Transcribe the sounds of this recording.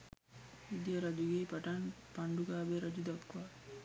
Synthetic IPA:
id̪ijəɾɐd͡ʒuɡeːpaʈanpaɳɖuɡaːbeɾɐd͡ʒud̪ɐkkʋa

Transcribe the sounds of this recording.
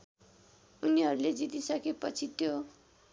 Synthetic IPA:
uniɦʌɾuled͡zit̪isʌkepʌt͡sʰit̪jo

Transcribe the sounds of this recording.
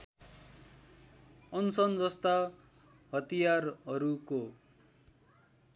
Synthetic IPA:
ʌnsʌnd͡zʌst̪a | ɦʌt̪ijarɦʌɾuko

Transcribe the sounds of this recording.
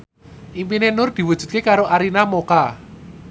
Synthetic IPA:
ʔimpinenʊrd̪̥i̤wud̥ʒ̥ṳd̪̚kekaɾoʔaɾinamoka

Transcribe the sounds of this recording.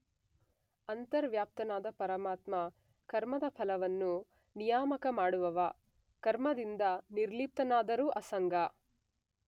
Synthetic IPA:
ɐnt̪ɐɾʋjaːp̚t̪ɐnaːd̪ɐpɐɾɐmaːt̪mɐ | kɐɾmɐd̪ɐpʰɐlɐʋɐnːu | nijaːmɐkɐmaːɽuʋɐʋɐ | kɐɾmɐd̪ind̪ɐniɾliːp̚t̪ɐnaːd̪ɐɾuːʔɐsɐŋɡɐ

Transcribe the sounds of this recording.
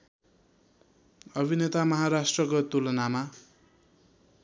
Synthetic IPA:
ʌbʱinet̪amʌɦaɾasʈrʌkot̪ulʌnama

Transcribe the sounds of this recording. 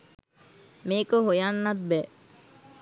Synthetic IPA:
meːkoɦojanːɐt̪̚bɛ

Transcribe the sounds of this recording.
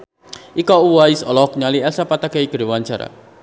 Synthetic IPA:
ʔikɔuwaisɔlɔk̚ɲaliɛlsapat̪akɛiɡəɾuwaɲt͡ʃaɾa̰

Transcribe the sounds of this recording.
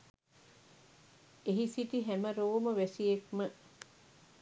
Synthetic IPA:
eɦisiʈiɦæməɾoːməʋæsiekmə

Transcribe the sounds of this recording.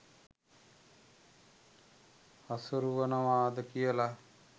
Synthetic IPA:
asuɾuʋənəʋaːd̪əkijəla

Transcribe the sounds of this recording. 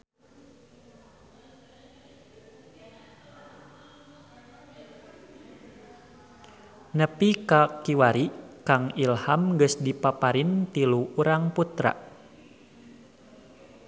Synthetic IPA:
nəpikakiwaɾikaŋilhamɡəsdipapaɾint̪iluuɾaŋput̪ɾa̰

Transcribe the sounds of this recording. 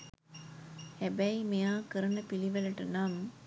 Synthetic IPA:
hæbæjmijaːkəɾənəpiliʋələʈənam

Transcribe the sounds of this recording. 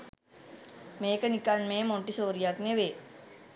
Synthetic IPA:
meːkənikaɳmẽːmoɳʈisoːɾijakneʋeː

